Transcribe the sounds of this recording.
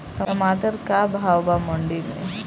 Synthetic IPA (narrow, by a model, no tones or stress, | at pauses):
əəmaːt̪əɾkabʱaːwbamə̃ɳɖimḛ̃